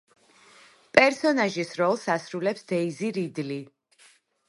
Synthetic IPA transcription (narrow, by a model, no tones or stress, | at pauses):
pʼɛɾsɔnaʒisɾɔlˠsasɾulɛpsd̪̥ɛiziɾid̪li